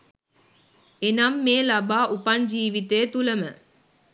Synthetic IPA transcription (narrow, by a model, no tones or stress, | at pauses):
enamːeːlabaːʔupaɲd͡ʒiːʋit̪ejːt̪uləmə